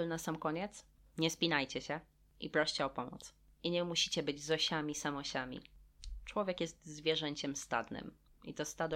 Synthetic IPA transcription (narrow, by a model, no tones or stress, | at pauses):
lnasamkɔɲɛt̪s | ɲɛspʲinajt͡ɕɛɕɛ | ʔḭpɾɔɕt͡ɕɛɔpɔmṵt̪s | iɲɛmuɕi̥t͡ɕɛbɘd͡ʑzɔɕamʲisamɔɕamʲḭt͡ʂwɔvʲjɛkjɛst̪zvʲjɛʐɛɲt͡ɕɛmst̪a̰d̪nɘ̰mḭt̪ɔst̪ad̪ɔ